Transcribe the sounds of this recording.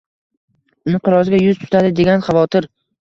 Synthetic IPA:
ʊnɪnɪqʰɨɾɒzɪɡʲajʊzt̪ʰʊ̥t̪ʰad̪ɪd̪e̞ɡʲanχɑvɒt̪ʰɪɾ

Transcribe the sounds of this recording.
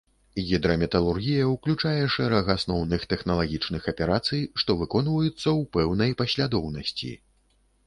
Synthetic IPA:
ɣʲid̪ɾɐmʲɛt̪ɐlˠurɣʲijɐwklʲut͡ʂajɛʂɛɾɐɣasnɔwnɨxt̪ɛxnɐlˠaɣʲit͡ʂnɨxɐpʲɛɾat̪sɨjʂt̪ɔvɨkɔnvɐjut̪sːɐwpɛwnɐjpɐɕʲlʲad̪ɔwnɐsʲt͡sʲḭ

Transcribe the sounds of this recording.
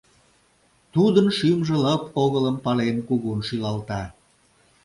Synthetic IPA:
t̪ud̪ənʃymʒĕləpoɣələmpɑlenkuɣunʃylɑlt̪ɑ

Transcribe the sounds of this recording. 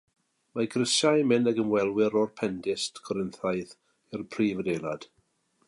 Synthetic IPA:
maɡʰrəsajmɪnaɡəmwɛlˠwɪɾɔrpʰɛndɪstʰɡʰɔɾənθajθ | ɪrpʰriːvədelˠad̥

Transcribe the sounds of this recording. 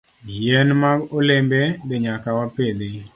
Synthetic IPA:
ɡjɛnmaɡolembed̪eɲakawaped̪e

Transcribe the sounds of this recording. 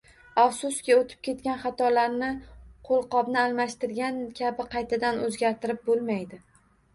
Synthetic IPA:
afsʊskʲɪot̪ʰɪ̥p̚kʲʰe̞t̪kʲanχɑt̪ʰɒlaɾnɪqʰolˠqɒbnɪalmaʃt̪ɪɾɡʲankʲʰabɪqʰɑjt̪ʰad̪anɵzɡʲaɾt̪ʰɪɾɪp̚bolˠmajd̪ɪ

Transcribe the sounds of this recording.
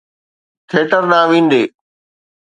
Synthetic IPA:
t̪ʰeːʈəɾnãːʋĩːn̆d̪eː

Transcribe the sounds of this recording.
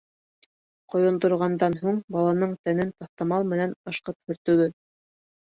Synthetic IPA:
qŏjŏnd̪ŏɾʁɑnd̪ɑnɦuɴbɑlˠɑnɤɴt̪ænɘnt̪ɑθt̪ɑmɑlˠmɘ̆nænɤ̆ʃqɤp̚hɵ̆ɾt̪ɵ̆wɘ

